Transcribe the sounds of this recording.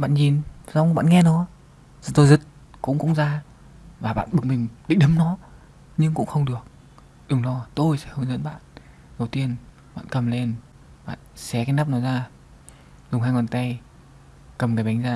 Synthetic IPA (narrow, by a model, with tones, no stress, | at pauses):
ɓa̰ː˧˨nɲi˨˩nzɔ˨˧wŋ͡mɓa̰ː˧˨nŋɛ˧nɨ˨˧˦ə | zt̪o˧jzɨ˨˦˥t̚ | kʊ̰˧˥ŋ͡mkʊ̰˧˥ŋ͡mzaː˧ | vaː˨˩ɓa̰ː˧˨nɓɨ˨˩k̚mï˨˩ŋ̟ɗḭ˧˨ŋ̟ɗə˨˦mnɔ˨˦ | ɲɨ˧ŋkʊ̰˧˥ŋ͡mxə˧wŋ͡mɗɨ˨˩ək̚ | ɗɨ˨˩ŋlɔ˧t̪o˧jsɛ̰˧˥xə˧wŋ͡mzə̰˧˥nɓa̰ː˧˨n | zə˨˦wt̪i˧ən | ɓa̰ː˧˨nkə˨˩mle˧n | ɓa̰ː˧˨nsɛ˨˦kaː˨˦jna˦˥p̚nɔ˨˦jzaː˧˩ | zʊ˨˩ŋ͡mɦaː˧jŋwɔ˨˩nt̪a˧j | kə˨˩mkaː˨˦jɓa˨˦jŋ̟zaː˧